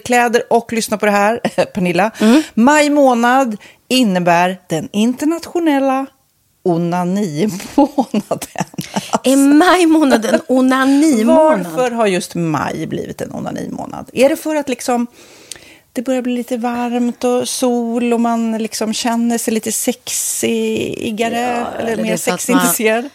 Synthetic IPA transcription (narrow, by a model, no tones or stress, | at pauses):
kʰlɛːd̪əɾɔkːlʏsnapʰɔd̪ɛɦæːɾpʰaɳɪlːamajmoːnad̪ | ɪnːəbæːɾd̪̥ɛnɪnt̪əɳat̪ɧʊnɛlːa | ʊnaniːmonad̪ənɛmajmoːnad̪ɛnʊnanivaːɾfœɾɦaɾjɵst̪ma̰jblḭːvɪ̰t̪ɛ̰nʊ̰na̰nḭːmo̰ːna̰d̪æɖɛfœɾat̪lɪksɔm | d̪̥ɛbœɾjabliːliːt̪əvaɾmt̪ɔsuːlɔmːanlɪksɔmɕɛnːəʂɛjliːt̪əsɛksɪɪ̰ɡaɾəɛ̰lːəɾmeːɾsɛksɪnt̪ɾɛseːɾad̪ə